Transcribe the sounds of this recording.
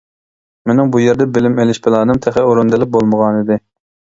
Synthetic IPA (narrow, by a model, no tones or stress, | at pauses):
menɪŋbujeɾd̪ɛbɪlɪmelɪʃpʰɪlˠɑːnɨmt̪ʰɛχɛoɾund̪ɪlɪp̚bolˠməʁɑnid̪ɪ